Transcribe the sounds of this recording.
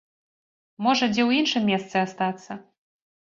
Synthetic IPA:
mɔʐɐd͡zʲɛwinʂɨmʲːɛst̪sɨast̪at̪sːɐ

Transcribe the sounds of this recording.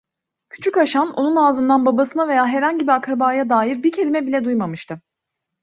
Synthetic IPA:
cʰy̥t͡ʃʰycaʃano̞nunaːzɯnd̪anbabasɯnave̞jaːɦɛɾhaɲɟibiakɾabaːjad̪aːjiɾbicʰe̞lʲimɛbilʲɛd̪ujmamɯʃt̪ʰɯ

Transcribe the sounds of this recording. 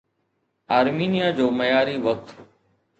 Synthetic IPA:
aːɾmiːnɪjaːd͡ʒoːməjaːɾiːʋək̚t̪

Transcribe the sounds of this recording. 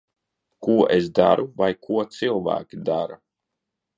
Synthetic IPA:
kuɔʔesd̪a̰ɾuvajkʰuɔt̪silˠvæ̰ːkʲid̪aɾa

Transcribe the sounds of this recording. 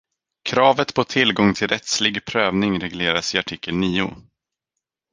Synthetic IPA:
kʰɾɑːvət̪pʰɔt̪ʰɪlɡɔŋt̪ʰɪlɾɛt̪slɪɡpʰɾøːvnɪŋɾɛɡleːɾasɪaʈʰiːkʰːəlniːʊ̰

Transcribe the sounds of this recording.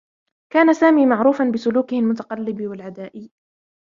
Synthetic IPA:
kaːnasaːmiːmaʕɾuːfanbɪsʊluːkɪhɪlmʊt̪ɑqɑlːɪbwalʕad̪aːʔɪj

